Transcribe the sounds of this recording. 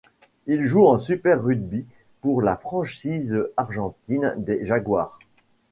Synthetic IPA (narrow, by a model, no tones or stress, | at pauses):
ilʒuɑ̃sypɛʁːyd̪bi | puʁlafχɑ̃ʃizaʁʒɑ̃t̪ind̪eʒaɡwa̰ːʁ